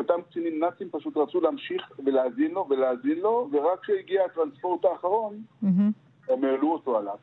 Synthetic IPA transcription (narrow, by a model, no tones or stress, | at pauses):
ot̪amkt͡sinimnat͡simpaʃut̪ʁat͡suleamʃiχveleazinlo̞veleaːzinlo̞veʁakʃeiɡiat̪ʁanspo̞ʁt̪aːχaʁo̞n | emeːluoto̞alav